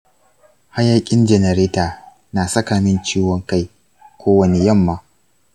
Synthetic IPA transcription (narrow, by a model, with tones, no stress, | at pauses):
ha˦ja˨kʲʼɪ˦nd͡ʒɛ˨nɛ˨ɾeː˦taː˨ | naː˨sɐ˦ka˨mɪ˦nt͡ʃiː˦wɔ˦ŋka˦j | kʷoː˦wɐ˨ne˨jɐ˦˨mːaː˦